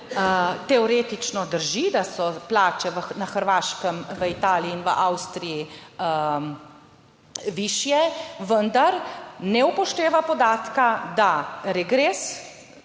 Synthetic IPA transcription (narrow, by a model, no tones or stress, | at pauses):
ət̪ɛɔɾeːt̪it͡ʃnɔd̪əɾʒid̪asɔplaːt͡ʃɛʋənaxəɾʋaːʃkəmʋəit̪aːliːnʋəʔawst̪ɾijiə | ʋiːʃjɛʋənd̪aɾnɛupɔʃt̪eːʋapɔd̪aːt̪kad̪aɾɛɡɾeːs